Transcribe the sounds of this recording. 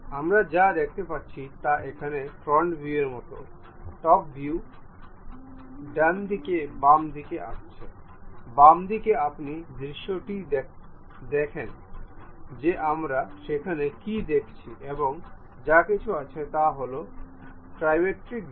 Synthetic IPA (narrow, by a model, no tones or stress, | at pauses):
amɾad͡ʑad̪ek̚ʰt̪epatːt͡ɕʰit̪aʔekʰanefɾɔɳʈbʱjueɾmɔt̪o̰ | ʈɔk̚biu | ɖɛnd̪ʱikebamd̪ikeʔa̰ʃt͡ɕʰe | bamd̪ikeapnid̪ɾiʃːoʈi | d̪ekʰen | d͡ʑeʔamɾaʃekʰanekid̪ekʰt͡ɕʰiʔeboŋ | d͡ʑakit͡ɕʰuat͡ɕʰet̪aɦolo | pɾajmeʈɾik